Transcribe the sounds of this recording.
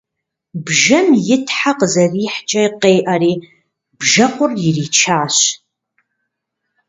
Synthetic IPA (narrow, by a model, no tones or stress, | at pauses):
bʒɐmjɪtʰħaqəzɐriːħt͡ʃʼɐjqejʔɐɾiː | bʒɐqʷʼʊrjɪriːt͡ʃʰaːɕ